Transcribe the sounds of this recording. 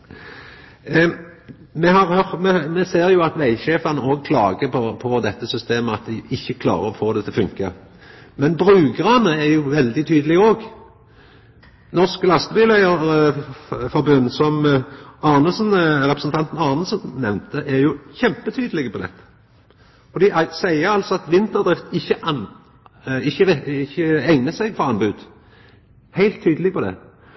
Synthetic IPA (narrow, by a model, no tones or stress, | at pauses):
mɛhɑʁhœʁmɛmɛseːʁjʊɑt̪ʋæɪçeːfɑnəoːɡ̚kʰlɑːɡəpʰɔpʰɔd̪ɛt̪ːəsʏst̪eːməɑt̪̚d̪ɪʔɪçːəkʰlɑ̰ːʁəɔfoːd̪ɛt̪ɪlfʉŋkə | mɛnbʁʉːɡəʁɑnəɛʁjʊʋɛld̪ɪt̪ʰyːd̪əlɪɡəoːɡ | nɔʁsklɑst̪əbyːlæɪəʁ | fɔɾbʉnd̪sɔmɑnəsnʁɛpɾʁəsnt̪ʰɑnt̪n̩ɑːʁnəsənːɛʋnt̪əʔæɾjʊçɛmpət̪ʰyːd̪əlɪɡəpʰɔd̪ɛ̰t̪ːə̥ | fɔʁd̪iːʔsæɪəɾɑlt̪sɔɑt̪ʋɪnt̪əd̪ʁɪft̪ɪçːəʔ | ɪçːəɪçːəɛŋnəsɛɡfɔʁɑnbʉːd̪̥ | hæɪlt̪ʰːyːd̪əlɪɡpɔd̪ɛ̰